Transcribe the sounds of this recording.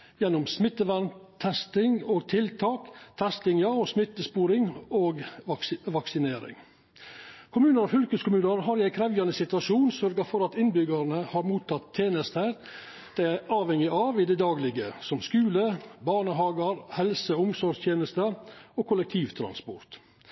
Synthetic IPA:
jɛnːʊmsmɪt̪ːəʋænt̪ʰɛst̪ɪŋoːɡt̪ʰɪlt̪ʰɑːkt̪ʰɛst̪ɪŋjɑɔsmɪt̪ːəspuːɾɪŋoːɡ | ʋɑksɪneːɾɪ̰ŋ | kʰʊmʉːnəɾɔfʏlkəskʰʊmʉːnəɾɦɑɾɪæɪkʰɾɛʋjɑnəsɪt̪ʉɑʂuːnsœɾɡəɾfɔɾɑt̪ɪnbʏɡəɾnəhɑɾmuːt̪ʰːɑt̪ʰːjeːnəst̪əɾ | d̪̥ææɑːʋɛŋɪʔɑʋɪd̪ɛd̪ɑːɡlɪɡəsɔmskʉːləbɑːɳəɦɑːɡəɾhɛlsəʊmsɔɾʂt̪jeːnəst̪əoːkʰʊlɛk̚t̪ʰiːʋt̪ʰɾɑ̰nspɔ̰ɾt̪

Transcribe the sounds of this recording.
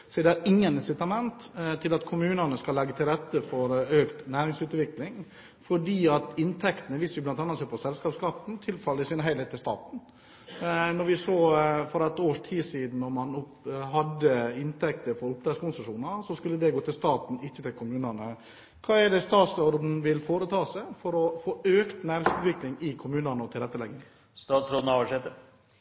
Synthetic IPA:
sɔd̪ɛæɾɪŋːənɪnsɪt̪ɑmɛnt̪t̪ʰːɪlɑt̪kʰʊmʉːnənəskɑlːɛɡːət̪ʰɪlɾɛt̪ːəfɔɾøːkt̪næːɾɪŋsʉːt̪ʋɪklɪŋ | fɔɖiːɑt̪ɪnt̪ʰɛkt̪ənəʋɪsʋɪblɑnt̪ɑːnːɑseːɾpʰɔsɛlskɑːpskɑːpn̩t̪ʰɪlfɑlːɪsɪnəɦæɪeːt̪ːɪlst̪ɑ̰ːt̪n̩ | nɔɾʋɪsoːfɔɾɑt̪oːʂʈʰiːsiːd̪n̩ːɔɾmɑnʊpɦɑd̪ːəɪnt̪ʰɛk̚t̪əɾfɔɾʊp̚d̪ɾɛskʊnsəʂuːnɑsɔskʉlːəd̪ɛɡoːt̪ʰɪlst̪ɑːt̪n̩ɪçːət̪ɪlkʰʊmʉːnɑnə | kʰɑːɛɖɛst̪ɑːt̪sɔɾd̪n̩ʋɪlfoːɾət̪ʰɑːsæɪfɔɾɔfoːøːkt̪næːɾɪŋsʉːt̪ʋɪklɪŋɪkʰʊmʉːnənəɔt̪ʰɪlɾɛt̪ːəlɛŋːɪŋ | st̪ɑːt̪sɾoːd̪n̩ɑʋəʂɛt̪ə

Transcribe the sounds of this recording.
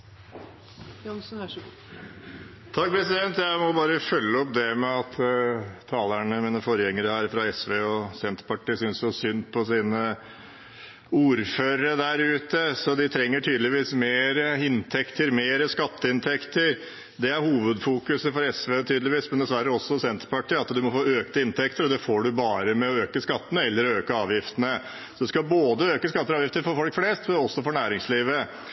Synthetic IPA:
ns | t̪ʰɑk̚ːpʰɾɛsɪd̪ɛnt̪jæɪmɔbɑːɾəfœlːəɔpd̪ɛmɛɑt̪t̪ʰɑːlæɳəmiːnəfɔɾjɛŋːəɾəhæːɾfɾɑɛsʋeːɔsɛnt̪pɑʈːiɪːsʏnsɔsʏnpʰɔsiːnə | uːɾføːɾəəd̪æɾʉːt̪əsɔd̪ɪt̪ʰɾɛŋːəʈʰyːd̪lɪʋiːsmeːɾəɪnt̪ʰɛkt̪ʰəɾmeːɾəskɑt̪ːəɪnt̪ʰɛkt̪əɾ | d̪ɛæɾhuːʋəd̪fuːkʉsəfɔɾɛsʋet̪ʰyːd̪lɪʋiːsmɛnd̪ɛsʋæɾːəɔsːɔsɛnt̪əɾpɑʈiːɑt̪d̪ʉmɔfoːøːkt̪əɪnt̪ʰɛkt̪əɾɔd̪ɛfoːɖʉbɑːɾəmɛɔøːkəskɑt̪ːənəɛlːəɾɔøːkəɑːʋjɪft̪ənə | sɔd̪ʉskɑboːd̪əøːkəskɑt̪ːəɾɑːjɪft̪əɾfɔɾfɔlkfleːst̪ɔsːɔfɔɾɳæːɾɪŋsliːʋə

